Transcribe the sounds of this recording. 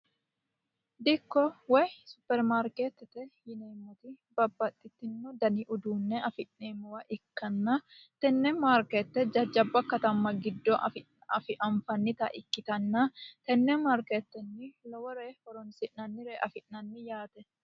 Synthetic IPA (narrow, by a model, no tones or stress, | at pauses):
d̪ɪkːɔwɛjsʊpːɛɾmaːɾket̪ːɛt̪ɛjɪneːmːɔt̪ɪ | bɐbːɐt̪ʼːɪt̪ːɪnːɔd̪ɐnɪʔʊd̪uːnːɛɐfɪʔneːmʊwɐʔɪkːɐnːɐt̪ɛnːɛmaɾket̪ːɛd͡ʒɐd͡ʒɐbːɐkɐt̪ɐmːɐɡɪd̪ːɔɐ̰fɪ | ɐ̰fɪʔɐɱfɐnːɪt̪ɐ̰ʔɪkːɪt̪ɐnːɐt̪ɛnːɛmaːɾket̪ːɛnːɪlɔwɔɾeːhɔɾɔnsɪʔnɐnːɪɾeʔɐfɪʔnɐnːɪjaːt̪ɛ